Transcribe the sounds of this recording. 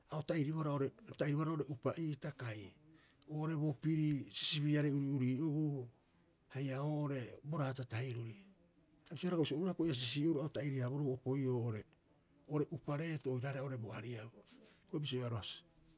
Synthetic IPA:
aotaiɾiβoɾaoɾetaiɾiβoaɾaoɾe̞ʔupaʔiːtakaj | oːʔoɾe̞bo̞piɾisi̥siβiaɾeuɾiuɾiːoβu | hajaoːʔoɾe̞bo̞ɾaːtatajɾuɾi | abisioaɾakoisiouɾakojas̬is̬ioɾuaotaiɾiaβoɾebopo̞jo̞ːʔoɾe | oɾe̞ʔupaɾe̞toojɾaɾeoɾe̞boaɾiabokoibis̬ioaɾoasi̥

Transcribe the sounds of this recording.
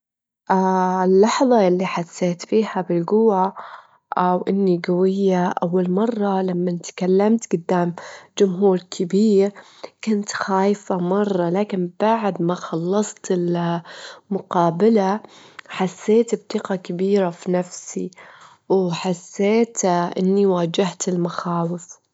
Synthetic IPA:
ʔaɪlːɑħðˤɑʔɪlːiħasːeːt̪fiːhabɪlɡʊwa | ʔawʔɪnːiɡawɪjːaʔawːalmɑrˤːɑlamːant̪kalːamt̪ɡʊd̪ːaːmd͡ʒʊmɦuːɾkʰɪbiːɾ | kʊnt̪xaːjfamɑrˤːɑlaːkɪnb̥aʕd̪maxɑlːɑsˤt̪ɪl | mʊqɑːbalaħasːeːt̪ɪb̚t̪ɪqakabiːɾafinafsi | wħasːeːt̪ʔɪ̰nːiwaːd͡ʒaht̪ɪlmaxaːwɪf

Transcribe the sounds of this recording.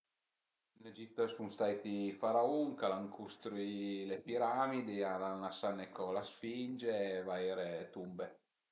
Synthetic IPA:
ined͡ʒit̪ːosunst̪ajt̪ifaɾauŋkalaŋkʰust̪ɾilepiɾamid̪ialanasanekolasfind͡ʒeːvaeːɾet̪umbe

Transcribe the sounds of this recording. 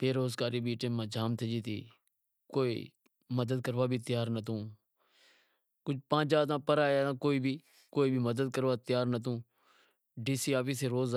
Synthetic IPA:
peːɾoːzkaːɾiːbiːʈẽːmːãːd͡ʒʱaːmt̪ʰed͡ʒiːt̪ḭː | koːḭː | məd̪əd̪̚kəɾʋaːbʱit̪ɪjaːɾnət̪ũː | kʊd͡ʒʱpãːd͡ʒaːt̪ãːpəɾaːaːtãːkoːiːbʱiː | koːiːbʱiməd̪əd̪̚kəɾʋaːt̪ɪjaːɾnət̪ũː | ɖiːsiːaːpiːseːɾoːz

